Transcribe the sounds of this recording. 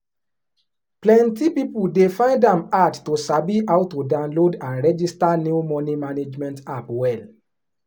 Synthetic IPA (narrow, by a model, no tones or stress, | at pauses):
plɛ̃ntipipuldefãɪ̃ndãmadtosabiaʊtːudãʊ̃nlodãnɹɛd͡ʒistanumɔnimaned͡ʒmɛ̃ntapwɛl